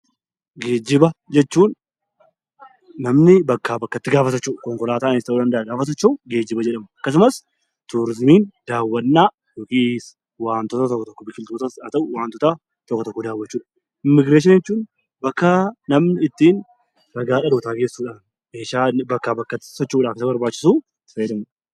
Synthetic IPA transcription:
ɡe̞ːd͡ʒɪbɐd͡ʒɛt͡ʃːuːn | ɐmnɪbɐkːaːbɐkːɐt̪ːɪɡaːfɐt̪ɐt͡ʃːuːkɔŋkɔlaːt̪aːnest̪ɐʔuːᶑɐnd̪ɐʔɐɡaːfɐt̪ɐt͡ʃːuʊɡeːd͡ʒːɪbɐd͡ʒɛᶑɐmɐɐkːɐs̬ʊmɐs | t̪uːɾɪzmiːnd̪aːwːɐnːaː | jokiːs | waːnt̪ɔt̪ɐt̪ɔkːɔt̪ɔkːɔbɪkːɪlt̪oːt̪ɐsɐt̪ɐʔʊwaːnt̪ɔt̪a | t̪ɔkːɔt̪ɔkːɔd̪aːwːɐt͡ʃːuːᶑɐ̥ | ɪmːɪɡɾeːʃ̬ɪnjɛt͡ʃːuːn | bɐkːanɐmnɪɪt̪ːiːn | ɾɐɡaːᶑɐdoːt̪aːkeːsːuːᶑaːn | eːʃaːbɐkːaːbɐkːɐt̪ːɪ̥sɔt͡ʃːuːᶑaːkɪsɐbɐɾbaːt͡ʃːɪ̥suː | fɐjɛd̪ɐmɐ

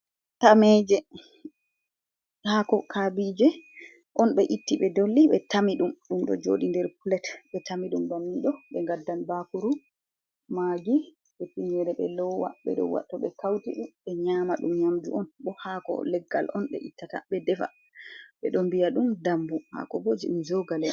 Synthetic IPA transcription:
tamɛd͡ʒɛ | hakɔkʰabid͡ʒɛ | ʔɔnɓɛʔitːiɓɛdolːiɓɛtamiɗumɗumɗɔ̰d͡ʒo̰ɗindɛɾpulɛtɓɛtamiɗumbamːiɗɔɓɛŋɡadːanbakuɾu | maɡi | ɓɛpiɲɛɾɛɓɛlɔwa̰ɓɛ̰ɗɔ̰wa̰tːɔɓɛkawtiɗumɓɛɲaːmaɗumɲamd͡ʒṵʔɔnbɔhakɔ̰lɛɡːa̰lɔnɓɛ̰ʔitːata̰ɓɛdɛfa̰ | ɓɛɗɔmbijaɗumdambuha̰kɔbod͡ʒiɗumd͡ʒɔɡalɛ

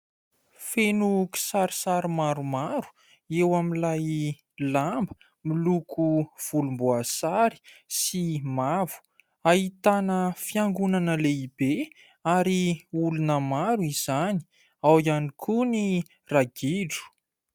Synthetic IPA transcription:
fenuki̥saɾisaɾimaɾumaɾu̥ | ewamilaj | lambə̥ | milukʰuv̥ulumboasaɾi̥simavu̥ | aɦit̪anəfiaŋɡunanəleibe | aɾiulunəmaɾuiz̥ani̥ | awianikʰuni | raɡiɖ͡ʐu̥

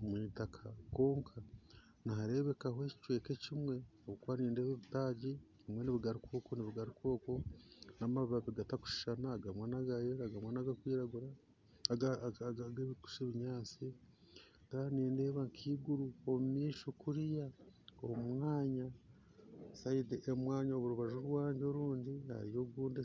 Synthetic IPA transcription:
omwiːtakʰako̞ːŋkʰa | naɦaɾe̞βe̞kaɦoeci̥t͡ʃwe̞ːke̞cimwe̞oβukwaːniːndeːβeβitaːɟe | βimwe̞niβiɡaɾikoːkoniβiɡaɾikwo̞ːko̞naːmaββaβiɡataku̥ʃi̥ʃanaːɡamwaːnaɡajeɾaɡamwanaɡakwiːɾaɡuɾa | aaɡeβiku̥ʃeβiɲaːt͡si | kaːneːndeːβaŋkʰiːɡuɾuomumiːʃokuɾijaomwaːɲa | saideʔemwaːɲaoβuɾuβaʒuɾwaːɲɟeoɾuːɲdiha̰ɾijo̞ɡuːnde

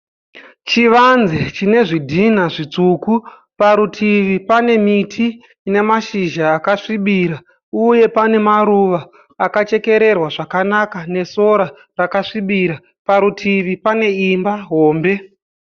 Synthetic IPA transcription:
t͡ʃiʋanzet͡ʃine̞ʐidʱinaʐit͡suku | paɾutʰiʋipane̞mitʰi | ne̞maʃiʒaːkaʂiɓiːɾa | uje̞pane̞maɾuʋaː | kat͡ʃe̞ke̞ɾe̞rwaʐakanakane̞so̞ɾa | rakaʂiɓiɾa | paɾutʰiʋipane̞imbaɦo̞ːmbe̞

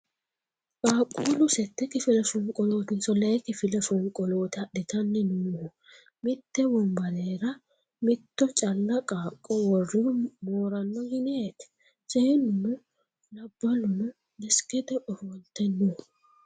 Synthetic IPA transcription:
kʼaːkʼːulʊsɛt̪ːɛkɪfɪlɛfʊŋkʼɔloːt̪ɪnsɔlɛkɪfɪlɛfʊŋkʼɔloːt̪ɐɗɛt̪ɐnːɪnuːhʊ | mɪt̪ːɛbɔmbɐdeːɾɐ | mɪt̪ːɔt͡ʃʼɐlːɐkʼaːkʼːɔwɔrːɪʊmoːɾɐnːɔɡɪneːt̪ɛ̥ | sɛnʊnʊ | lɐbːɐlʊnʊ | nɛskɛd̪ɛʔɔfɔlt̪ːɛnːʊ

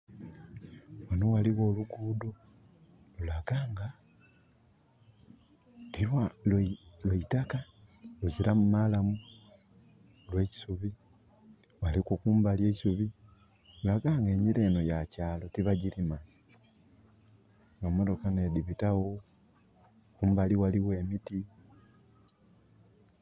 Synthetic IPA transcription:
wanowaliɣo̞ːluɡuːdo | lulaɡaːŋɡa | lilwallweitaka | luziɾamumalamu | lwe̞ci̥suβi | walikukuːmbalje̞ːci̥suβi | ulaɡaːŋɡe̞ːɲiɾe̞no̞jacaːlo̞tiβaɟiɾima | ɡamodo̞kanediβitawo | kuːmbaliwaliwe̞ːmiti

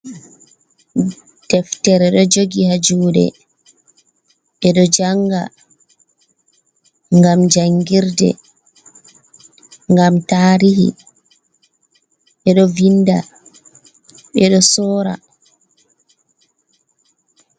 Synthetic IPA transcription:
d̥ɛftɛɾɛɗɔd͡ʒoɡihad͡ʒuːɗɛ̰ | ɓɛɗɔd͡ʒaŋɡa̰ | ŋɡamd͡ʒaŋɡiɾdɛ̰ | ŋɡamtaːɾihḭ | ɓɛɗɔvinːda | ɓɛɗɔsɔːɾa̰

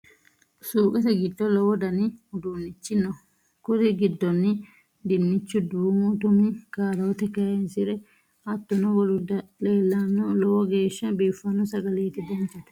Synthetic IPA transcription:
suːkʼɛt̪ɛɡɪd̪ːɔlɔwɔd̪ɐnɪhʊd̪uːnːɪt͡ʃːɪnːɔ | kʊt̪ɪɡɪd̪ːɔnːɪ | d̪ɪnːɪt͡ʃːʊd̪uːmʊt̪ʊmɪkaːd̪ɐːt̪ɛkɐjensɪɾɛ | ɐt̪ːɔnɔwɔlʊd̪ɐle̞ːlːɐnːɔlɔwɔɡeːʃːɐbiːfːɐnːɔsɐɡɐleːt̪ɪd̪ɐnt͡ʃːɐd̪

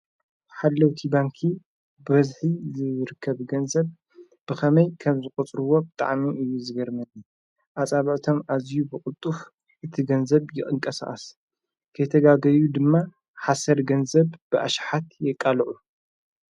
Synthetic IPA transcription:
ħalːɐwt̪ʰibaŋkʰi | bɨbɐzħizɨɾɨkʰːɐβɡɐnzɐβ | b̥ɨxɐmɐjkʰɐmzɨkʼut͡sʼɾɨwo̞bɨt̪ʼa̰ʕmiʔɨjːuzɨɡɐɾmɐni | ʔat͡sʼaβɐʕt̪ʰo̞mʔazjubɨkʼʊt̪ʼːuf | ʔɨt̪ʰiɡɐnzɐβjɪχʼɨŋkʼɐsa̰ʔʼɐs | kʰɐjt̪ʰɐɡaɡɐjud̪ɨmːa | ħasɐɾɡɐnzɐβbɨʔa̰ʃħat̪jɛkʼːalʕu

